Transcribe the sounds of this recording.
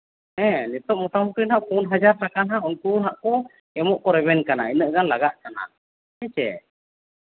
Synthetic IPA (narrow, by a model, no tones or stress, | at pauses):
ɛ̃nit̪ɔʔ̚mɔʈamukinɦaʔkunɦad͡ʒaɾʈakanɦaʔunkuɾɦaʔkɔ | ɛmɔʔkɔɾɛβɛnkanainəʔɡanlaɡaʔ̪̚kana̰ | ɛt͡ʃɛ̰